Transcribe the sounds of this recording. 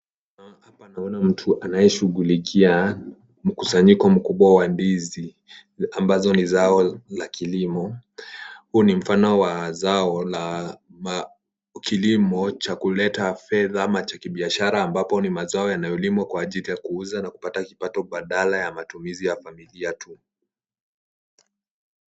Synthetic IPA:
hapanaɔnam̩tʰuʔanajɛʃuɣulikʰia | m̩kusaɲikɔm̩kuɓwawanbizi | ambazɔnizaɔlakʰilimɔ | huːnim̩fanɔwazaɔlam | kʰilimɔt͡ʃakulɛtafɛðamat͡ʃakiɓiaʃaɾaːmbapɔnimazaɔjanajɔlimwakwaːʄilijakuuzanaku̥patakipatɔɓaɗalajamatumizijafamiliatʰu

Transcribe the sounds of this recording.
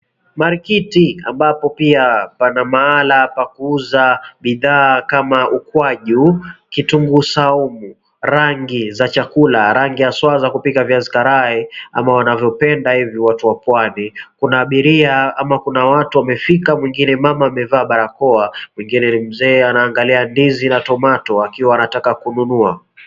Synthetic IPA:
maɾikitia̰mbapɔpiapanamaalapakuuzaɓiðaːkamaʔukwaʄukituŋɡusaumu | ɾaŋɡizat͡ʃakulaɾaŋɡijaswazakupikavjanzi̥kaɾaɛa̰mawanavjɔpɛndahiviwatuwapwanikunaːɓiɾiaamakunawatuwamɛfikamwiŋɡinɛmamaːmɛvaːɓaɾakɔamwiŋɡinɛnim̩zɛːanaːŋɡaliandizinatɔmatɔakiwaːnatakakununua

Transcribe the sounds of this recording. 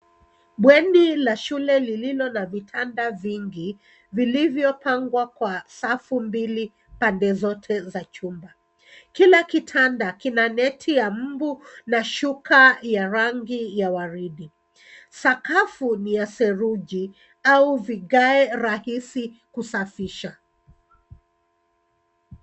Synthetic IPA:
ɓwɛnilaʃulɛlililɔnavitʰandaviŋɡi | vilivjɔpʰaŋɡwakwasafumbili | pandɛzɔtʰɛzat͡ʃumba | kilakitʰandakinanɛtʰijam̩bunaʃukʰajaɾaŋɡijawaɾiɗi | sakafunijasɛɾuʄi | auviɠaɛɾahisikusafiʃa

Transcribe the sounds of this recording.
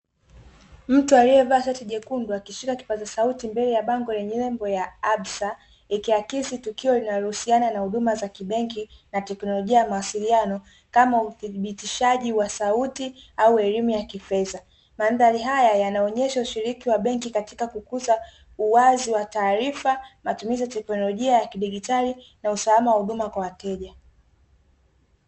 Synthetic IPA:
m̩tualijɛvaːsatiʄɛkunduakiʃikaki̥pat͡ʃasautimbɛlɛjaɓaŋɡɔlɛɲɛlɛmbɔjaaɓsa | ikiakisitukiɔlinaɾuhusiananahuɗumazakiɓɛŋkinatɛknɔlɔʄiajamawasilianɔ | kamauθiɓitiʃaʄiwasautiauɛlimujakifɛða | manðaɾiɦajajanaɔɲɛʃauʃiɾikiwaɓɛŋkikati̥kakukuza | uwaziwataːɾifamatumiziatɛknɔlɔʄiajakiɗiɠitali | nausalamawahuɗumakwawatɛʄa

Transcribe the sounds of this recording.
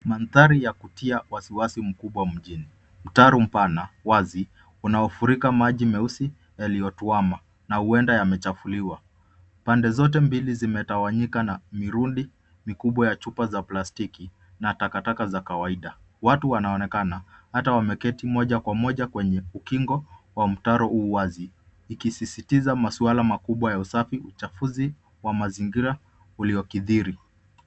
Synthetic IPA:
manθaɾijakutiawasiwasim̩kuɓwam̩ʄini | m̩taɾum̩panawazi | unaɔfuɾikamaʄimɛusi | jaliɔtuama | nahuɛndajamɛt͡ʃafuliwa | pandɛzɔt̬ɛmbilizimɛtawaɲikanamiɾunɗi | mikuɓwajat͡ʃupazaplastiki | natakatakazakawaiɗa | watuwanaɔnɛkanahatawamɛkɛtimɔʄakwamɔʄakwɛɲɛukiŋɡɔwam̩taɾɔʔuwaziː | kisisitizamasualamakuɓwajausafiut͡ʃafuzi | wamaziŋɡiɾa | uliɔkiðiɾi

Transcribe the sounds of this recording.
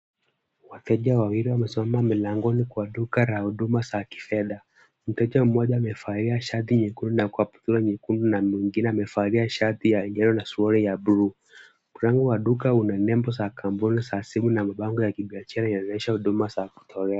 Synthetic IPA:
watɛʄawawiɾiwamɛsimamamilaŋɡɔnikwaɗukaɾahuɗumasaki̥fɛɗa | m̩tɛt͡ʃam̩mɔʄaːmɛfaɾiaʃat̪iɲɛkundunakuapu̥t̪uɾaɲɛkundunamwiŋɡinɛamɛfaɾiaʃatijaɛɲɛɾɔnasuɔɾijabɾu | kuɾaŋɡuwaɗukaunanɛmbɔsakambunisasimunamaɓaŋɡujakiɓiaʃaɾainɛanɛʃahuɗumasaku̥tʰɔɾɛa

